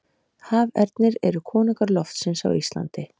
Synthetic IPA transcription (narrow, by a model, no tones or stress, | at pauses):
haːvɛ̰ɾt̪nɪɾɛɾʏkʰɔːnɪkaɾlɔft̪sɪnsa̰wist̪la̰nt̪ɪ